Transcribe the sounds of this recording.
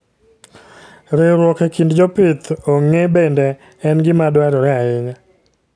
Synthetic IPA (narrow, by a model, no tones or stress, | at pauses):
ɾeɾwɔkekindd͡ʒɔpɪt̪oŋebendɛ | ɛnɡɪmadwaɾɔɾɛaɪɲa